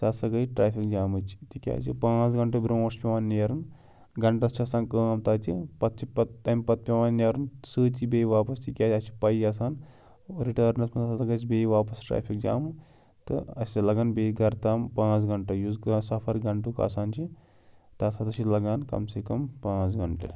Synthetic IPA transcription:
sɐsɐɡɐiʈɾaːpʰikd͡ʒaːmɨt͡ʃʰi̥t̪ikʲa̰ːt͡ʃipãːt͡sɡɐɳʈɐbɾõːnɐɾʃpʲeʋaːnːjɐɾun | ɡɐɳʈɐst͡ʃʰiɐsaːnkɐːmt̪aːt͡ʃipɐt̪̚t͡ʃʰipɐt̪ːɐjmpɐt̪̚pʲeʋaːnːɐɾunsɨːt̪ʲibeːjʋaːpɐst̪ikʲaːt͡ʃʲɐt͡ʃʰi̥pɐjɐs̬aːn | ɾiʈɐːɾnɐsmɐnɐsat̪ɐɡɐt͡ʃibʲeːʋaːpɐsʈɾa̰ːpʰik̚d͡ʒa̰ːmɨ | t̪ɨ̰ɐsʲilɐɡaːnbʲeːiɡɐɾt̪aːmpãːt͡sɡɐɳʈɐjuzɡɐsɐpʰɐɾɡɐɳʈukɐ̰ːsaːnt͡ʃi | t̪ɐsʰat̪ɐsilɐɡaːnkɐ̰msekɐmpãːt͡sɡɐɳʈḛ

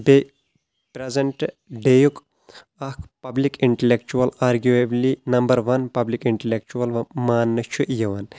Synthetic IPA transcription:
be | pɾezeɳʈ | ɖejuk | ɐkʰpɐblikiɳʈelekt͡ʃuɐlaːɾɡueblinɐmbɐɾʋɐnpɐblikiɳʈelek̚t͡ʃuɐlmaːnːɨt͡ʃʰuʔjɐʋɐn

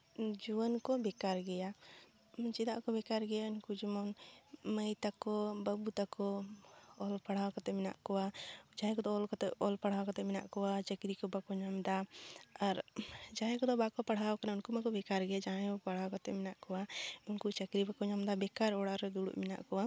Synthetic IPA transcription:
d͡ʒuwənkɔbɛkaɾɡɛja | t͡ʃɛd̪aʔkɔbɛkaɾɡɛjaunkud͡ʒimɔnməjt̪akɔbabut̪akɔː | lpaɽ̤awkat̪ɛmɛna̰ʔkɔwad͡ʒãɦɛ̃kɔd̪ɔɔlkɔt̪ɛɔlpaɽ̤awkat̪ɛmɛna̰ʔkɔwat͡ʃəkɾikɔbakɔɲamd̪aaɾd͡ʒãɦɛ̃kɔd̪ɔbakɔpaɽ̤awkanaunkumakɔbɛkaɾɡɛad͡ʒaɦɛ̃ɔpaɽ̤awkat̪ɛ̰mɛnaʔkɔwaunkut͡ʃəkɾibakɔɲamd̪abɛkaɾɔɽaɾɛd̪uɽṵʔmɛna̰ʔkɔwa

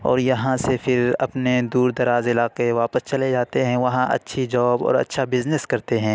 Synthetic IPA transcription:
ɔ̰ːɾjɐɦãsepʰɪɾɐpned̪uːɾd̪ɐɾaːzɪlaːqeʋaːpəst͡ʃɐled͡ʒaːt̪eɦɛ̃ʋɐɦãʔɐ̰tːʃʰid͡ʒɔːbɔ̰ːɾɐ̰tːʃʰabɪzneskɐɾt̪eɦɛ̃ː

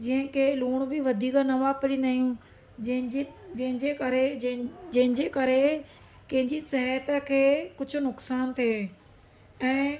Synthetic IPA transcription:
d͡ʑĩɦə̃kʰeluːɽ̃bɪʋɐd̪ʱiːknɐʋapɪɽĩnd̪aːijũ | d͡ʑɐɦɪ̃ɲd͡ʑeːkɐɾed͡ʑɐ̃ɦɪ̃ɲd͡ʑeːkɐɾe | kɐ̃ɦɪ̃ɲd͡ʑisɐɦjət̪əkʰeːkʊd͡ʑʱʊ̆nʊksaːnt̪ʰieː | ɛ̃ː

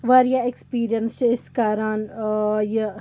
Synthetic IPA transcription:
ʋaːɾjaekspiːɾijənst͡ʃɪskaːɾanje

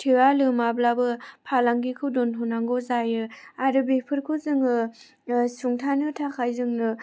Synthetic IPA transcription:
tʰiɾalɯmablabɯpʰalaŋɡikʰɯwdɔntʰɔnaŋɡozajɯaɾɯbepʰɯɾkʰɯzɯŋɯ | suŋtʰanɯtʰakʰajzɯŋnɯ

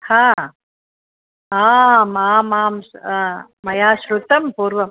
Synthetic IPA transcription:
hãː | aːmaːmaːms | mɐjaːʃɾut̪ɐmpuːɾʋɐm

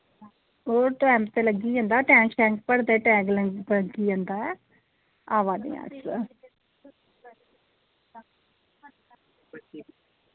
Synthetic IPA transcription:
oːɾʈɛːmt̪eːləɡiːɛ̃nd̪aːʈɛ̃ːŋkʃɛ̃ːŋk̚pəɽd̪eːʈɛ̃ːɡlələɡiːd͡ʒɛ̃nd̪aːɛː | aːʋaːd̪ḭjã̰ːs

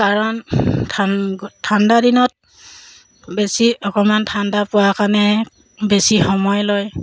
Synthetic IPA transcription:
kaɹɔntʰatʰandadinɔt̚ | besiɔkɔmantʰandapʊwakanɛ | besixɔmɔjlɔj

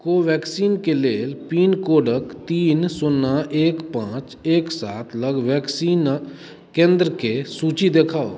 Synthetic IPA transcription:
koːʋɛːksiːnkeleːlpiːnkoːɖəkt̪iːnsʊnːaʔeːkpãːt͡ʃeːksaːt̪ʰləɡʋɛːksiːn | kẽːnd̪ɾəkesuːt͡ʃid̪eːkʰaːo̰

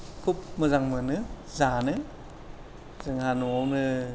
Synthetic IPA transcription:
kʰup̚mɯzaŋmɯnɯ | zanɯ | zɯŋhanuawnɯ

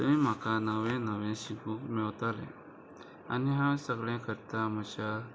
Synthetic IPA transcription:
t̪əĩm̤akanəʋɛ̃nəʋɛ̃ɕikũːkmɛwt̪alɛ̰̃ | a̰niɦãsəɡɭẽkʰəɾt̪am̤ət͡ɕa

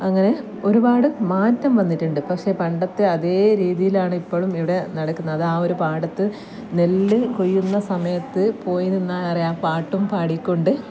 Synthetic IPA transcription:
ɐŋːɐne̞ | o̞ɾubaːɽɨmaːtːɐmʋɐnːitːuɳɖɨpɐkʂe̞pɐɳɖɐt̪ːeɐðe̞ːɾiːðijilaːɳɨipːo̞ːɭumiʋiɽe̞nɐɽɐkːunːɐɐðaːoɾupaːɽɐt̪ːɨ | ne̞lːɨko̞jːunːɐsɐmɐjɐt̪ːɨpo̞ːjininːaːɐrijaːpaːʈːumpaːɽikʲːoɳɖɨ

